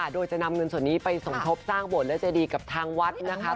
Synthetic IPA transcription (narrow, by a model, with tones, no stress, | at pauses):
a˨˩doː˧jt͡ɕa˨˩na˧mŋɤ˧nsu˨˩ənːiː˦˥pa˧jso˨˩˦ŋt̪ʰo˦˥p̚saː˥˩ŋbo˨˩t̪̚lɛː˦˥wt͡ɕa˨˩diː˧ka˨˩p̚t̪ʰaː˧ŋwa˦˥t̪̚na˦˥kʰa˦˥